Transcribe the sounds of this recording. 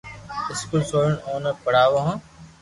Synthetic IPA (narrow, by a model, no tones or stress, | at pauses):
ɪskulsoːjəɳoːnəpəɽ̤aːʋoɦãː